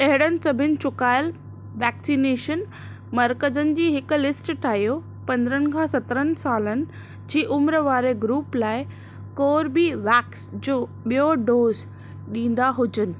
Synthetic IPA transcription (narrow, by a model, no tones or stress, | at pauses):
ɐɦɪɽənɪ̆sɐbʱɪnɪ̆t͡ɕʊkaːɪl | ʋɛːksineːʃən | mɐɾkəzənɪ̆d͡ʑiːɦɪkʊ̆lɪsʈʈʰaːɦijo | pɐ̃nd̪əɾənɪ̆kʰãːsɐt̪ɾənɪ̆saːlənɪ̆ | d͡ʑiːʔʊmɾʋaːɾeɡɾuːplaːɪ | koːɾbiʋɛːksd͡ʑoː | ɓijoɖoːz | ɗĩːn̆d̪aɦʊd͡ʑənɪ̆